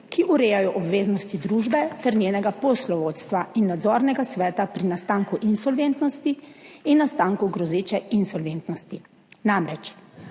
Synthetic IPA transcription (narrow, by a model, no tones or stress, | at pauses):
kiʔuɾeːjajɔʔɔbʋeːznɔst̪id̪ɾuːʒbɛt̪ɛɾnjeːnɛɡapɔslɔʋoːt̪st̪ʋainːad̪zɔːɾnɛɡasʋɛːt̪apɾinast̪aŋkuʔinsɔlʋent̪nɔst̪iːnːast̪aːŋkuɡɾɔzeːt͡ʃɛinsɔlʋent̪nɔst̪i | namɾɛt͡ʃ